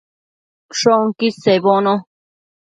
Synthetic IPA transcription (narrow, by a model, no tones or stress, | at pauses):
ʂoŋkiseβonõ